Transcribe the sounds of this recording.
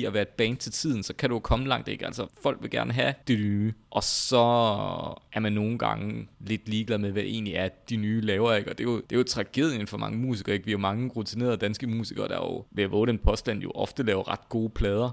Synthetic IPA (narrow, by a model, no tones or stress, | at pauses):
iæʋæːɐed̥̚b̥ɛːnt͡sʰe̝lt͡sʰið̰ˠn̩sɒ̽kʰæɾ̥ujokʰɒ̽məlɑ̈ŋ̰d̥eɡ̥æl̰sɐfɒ̽l̰ɡ̥ʋe̝lɡ̥æɐnəɦæd̥enyːʔɒ̽sɒ̽ | ʔæɐmænːo̝ːn̩ɡ̥ɑ̈ŋəle̝d̥liːɡ̥læð̰ˠmeʋæʔe̝̰ːnliæɐd̥inyːlɛːʊɐe̝ɡ̥ɒ̽d̥e̝jo̝d̥e̝jot͡sʰʁɑ̈ɡ̥e̝ð̞̰ˠjənfɒ̽mɑ̈ŋəmṵːsiɡ̥ɐːe̝ɡ̥ʋijo̝mɑ̈ŋəʁut͡sʰine̝ːɐd̥ænsɡ̥əmṵːsiɡ̥ɐd̥ɑ̰jo̝̰ʋe̝æʋɔ̰̽ːɾenpʰɒ̽sd̥æn̰jo̝ʔɒ̽fd̥əlɛːʊɐʁɑ̈d̥̚ɡ̥o̝ːəpʰlɛːð̞ˠɐ